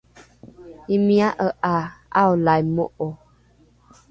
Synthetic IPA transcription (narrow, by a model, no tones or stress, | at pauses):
imiaʔəʔaaɔlajmoʔɔ